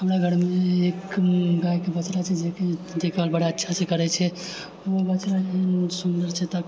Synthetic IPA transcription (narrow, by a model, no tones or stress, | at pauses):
ɦəmɾaɡʱəɾmeːkɡajkebət͡ʃɾat͡ʃʰɛd͡ʒeked̪ekʰalbəɽaətːʃʰasẽkəɾɛt͡ʃʰɛ | obət͡ʃɾaeɦənsund̪əɾt͡ʃʰɛt̪a